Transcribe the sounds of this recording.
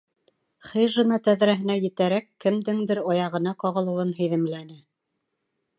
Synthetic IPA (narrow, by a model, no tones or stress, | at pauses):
χɘjʒɤ̆nɑt̪æðɾæɦɘ̆næjɘ̆t̪æɾækːɘ̆md̪ɘŋd̪ɘɾɑjɑʁɤ̆nɑqɑʁɤ̆lˠɤ̆wɤnɦɵ̆jðɘ̆mlænɘ